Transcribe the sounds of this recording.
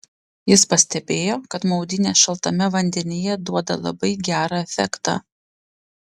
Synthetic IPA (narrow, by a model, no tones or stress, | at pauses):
jɪspɐsʲt̪ʲɛbʲeːjoːkɐt̪mɒʊd̪ʲɪnʲeːʃɐlˠt̪ɐmʲɛʋɐnʲd̪ʲɛnʲɪjɛd̪uɔd̪ɐ̰lˠɐ̰bɐɪɡʲæːɾɑːɛfʲɛ̰kt̪ɑ̰ː